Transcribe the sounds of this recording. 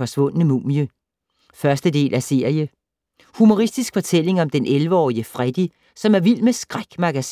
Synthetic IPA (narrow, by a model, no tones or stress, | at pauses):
ɒ̽sʋɔ̽n̰ənəmṵːmjə | fɶɐsd̥əd̥e̝̰ːlʔæse̝ɐ̰ijə | humo̝ʁisd̥isɡ̥fɒ̽t͡sʰel̰e̝ŋɒ̽md̥enʔelʋəɒ̰ːiəfʁɛd̥i | sɒ̽mæɐʋil̰d̥mesɡ̥ʁaɡ̥mɑ̈ɡ̥æs